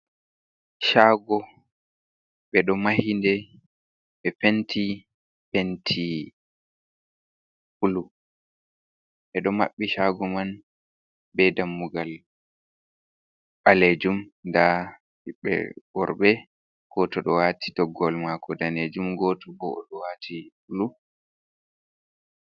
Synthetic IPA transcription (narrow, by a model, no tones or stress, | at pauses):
ʃaːɡɔ | ɓɛɗɔmahindɛ | ɓɛpentʰi | pentʰi | fulu | ɓɛɗɔma̰ɓːiʃaɡɔman | bɛdamːuɡal | ɓaled͡ʒumnda | hiɓɛ̰bɔɾɓɛ | ɡ̥ɔtɔɗɔwatʰi̥dɔɡːɔlmakɔdaned͡ʒumɡɔtɔbɔɔ̰ɗɔwatʰifulu